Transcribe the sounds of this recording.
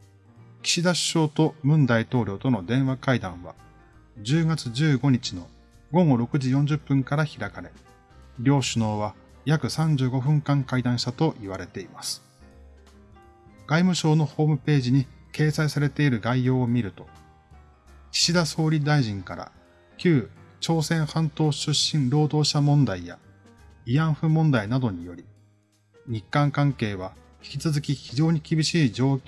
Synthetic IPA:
kʲi̥ɕid̪aɕɕo̞ːt̪o̞mɯ̟̃nd̪ait̪o̞ːɾʲo̞ːt̪o̞no̞d̪ẽ̞ɰ̃βakaid̪ãɰ̃βa̰ | d͡ʑɨːɡat͡sɨʑɨːɡo̞ɲ̟it͡ɕino̞ | ɡo̞ɡo̞ɾo̞kɯ̟ʑijõ̞ɲ̟d͡ʑɨpːɯ̟̃ŋkaɾaçiɾakaɾe̞ | ɾʲo̞ːɕɨno̞ːβa | jakɯ̟sãɲ̟d͡ʑɨːɡo̞ɸɯ̟̃ŋkãŋkaid̪ãɰ̃ɕit̪at̪o̞ʔiβ̞aɾe̞t̪e̞imasɨ̥ | ɡ̥aimɯ̟ɕo̞ːno̞ho̞ːmɯ̟pe̞ːʑiɲ̟ike̞ːsaisaɾe̞t̪e̞iɾɯ̟ɡaijo̞ːmʲiɾɯ̟t̪o̞ | ki̥ɕid̪aso̞ːɾʲid̪aiʑĩŋkaɾa̰ | kʲɨːt͡ɕo̞ːsẽ̞ɰ̃hãnt̪o̞ːɕɨɕːĩnɾo̞ːd̪o̞ːɕamõ̞nd̪aija̰ | ijãɰ̃ɸɯ̟mõ̞nd̪ainad̪o̞ɲ̟ijo̞ɾʲi | ɲ̟ikːãŋkãŋke̞ːβ̞a | çʲi̥kʲit͡sɨzɨkʲiçiʑo̞ːɲ̟ikʲibʲiɕiːd͡ʑo̞ː

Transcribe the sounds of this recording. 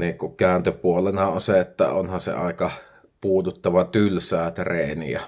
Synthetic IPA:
niːŋkuʔkæˑønt̪øpuolenɑonseet̪ːæ̰o̰nhɑnsḛɑ̰ˑekɑ | puːt̪ut̪ːɑʋɑt̪ylsæːt̪reːnḭæ̰

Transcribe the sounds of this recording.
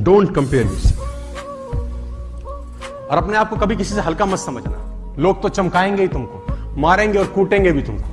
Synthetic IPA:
ɖõːɳʈkɐ̃mpeːɾjʊ̰s | ɔːɾɐpneaːp̚kokɐbʱikɪsiseɦɐlkaməd̪sɐməd͡ʒʱna̰ | loːɡ̚t̪ot͡ʃɐmkaːẽːŋɡeɦit̪ʊmko | maːɾẽːŋɡeɔːɾkuːʈẽːŋɡebʱit̪ʊmko̥

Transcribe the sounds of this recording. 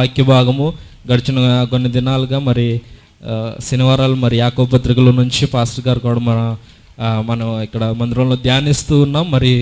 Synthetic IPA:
aːkjɐbʱaːɡɐmuɡɐɽt͡ʃɐnɐkonːid̪inaːluɡaːmɐɾi | siniʋaːɾaːlumɐɾijaːkoːbpɐt̪ɾikɐlɐnuɲt͡ʃipaːsʈɡaːɾkɐːɽɐmɐnɐ | mɐnɐikːɐɽɐmɐnd̪ɾɐlud̪jaːnist̪uːnːɐmɐɾi

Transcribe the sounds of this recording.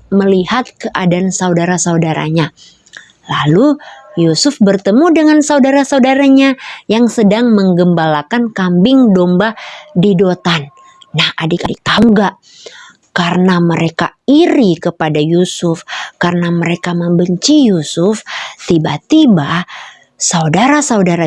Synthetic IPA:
məlihat̪̚kəʔadansaudaɾasaudaɾa̰ɲa | lalujusʊfbərt̪əmudəŋansaudaɾasaudaɾaɲajaŋsədaŋməŋɡəmbalakankambɪŋdombadidot̪anː | ahadikadik̪auŋɡaʔ | kaɾənaməɾekaiɾikəpadajusʊfkarənaməɾekaməmbəɲt͡ʃijusʊft̪ibat̪iba | saudaɾasaudaɾa

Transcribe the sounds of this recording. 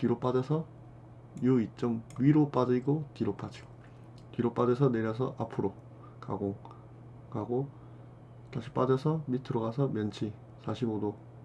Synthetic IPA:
tiɾop͈ad͡ʑesʰʌ | juit͡ɕ͈ʌŋɥiɾop͈ad͡ʑiɡotiɾop͈ad͡ʑiɡ̥o | tiɾop͈adesʰʌneɾjʌs̬ʰʌʔapʰɯɾo | ka̰ɡoŋ | kaɡo | taɕʰi̥p͈adʌsʰʌmitʰɯɾʌɡasʰʌmjʌnt͡ɕʰi | sʰaɕʰiɡodo

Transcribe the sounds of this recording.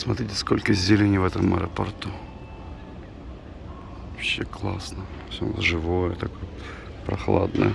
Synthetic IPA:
smɐt̪ɾʲitʲɪ̥sko̞lʲkəzʲɪlʲenʲvɛt̪əmə̰ɾɐpɐrt̪u | ɐpɕːeklˠasnəfsʲob̰lˠəʐɨvojət̪ɐkoj | pɾɐ̰xlˠa̰d̪nə̰j

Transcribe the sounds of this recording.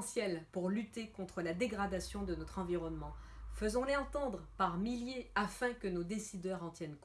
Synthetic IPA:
sjɛlpuʁlyt̪ekɔ̃t̪χəlad̪eɡʁad̪asjɔ̃d̪ənɔt̪χɑ̃viʁɔnmɑ̃fəzɔ̃leɑ̃t̪ɑ̃d̪ʁəpaʁmiljeafɛ̃kənod̪esid̪œʁɑ̃t̪jɛnk

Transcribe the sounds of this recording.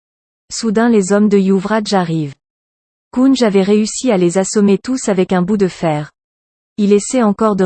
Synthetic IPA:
sud̪ɛ̃lezɔmd̪əjuvʁaʒaʁiv | kunʒavɛʁeysialezasɔmet̪usavɛkɛ̃bud̪əfɛːʁ | ilesɛɑ̃kɔʁd̪ə

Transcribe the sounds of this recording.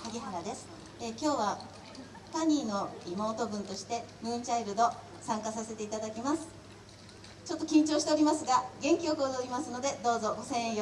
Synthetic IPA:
haɡʲiɦaɾad̪e̞sɨ̥ | ekʲo̞ːβa | t̪aɲ̟ʲiːno̞ɾimo̞ːt̪o̞bɯ̟̃nt̪o̞ɕi̥t̪e̞mɯ̟̃ːɲt͡ɕaiɾɯ̟d̪o̞ | sãŋkasase̞t̪e̞it̪ad̪akʲimasɨ̥ | t͡ɕo̞t̪ːokʲĩɲ̟t͡ɕo̞ːɕi̥eoɾʲimasɨɡaɡẽ̞ŋkʲio̞ko̞ːd̪oːɾʲimasɨno̞d̪e̞d̪o̞ːzo̞ɡo̞sẽ̞ɰ̃ẽj

